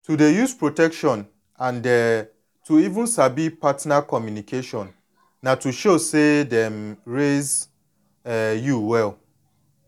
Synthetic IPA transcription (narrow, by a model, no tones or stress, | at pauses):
tʰudejuspʰɹotʰɛkʃɔ̃n | ãndɛ | tʰuivũnsabipʰatnakʰɔmjũnikʰeʃɔ̃nː | ãtʰuʃosedɛ̃mɹez | ɛjuwɛl